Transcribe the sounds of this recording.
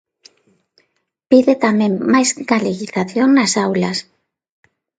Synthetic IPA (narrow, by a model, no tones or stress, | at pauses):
piðet̪amẽŋmajzɡaleɣiθaθjoŋnasawlas